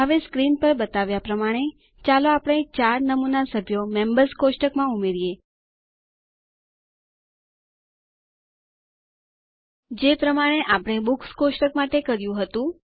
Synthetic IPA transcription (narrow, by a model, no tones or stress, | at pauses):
aʋeskɾinpəɾbət̪aʋjapɾəmaɽ̃e | t͡ʃaloapəɳ̃et͡ʃaɾnəmunasəbʱjomembəɾskosʈəkmãumeɾije | d͡ʒepɾəmaɽ̃eʔapɽ̃ebukskosʈəkmaʈekəɾjũɦət̪ũ